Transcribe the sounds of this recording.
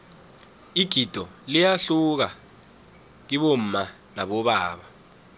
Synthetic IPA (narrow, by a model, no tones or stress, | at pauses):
iɡ̥ʱid̥ʱɔlijaɬuk̬a | k̬iɓom̩ma | naɓɔɓaːɓa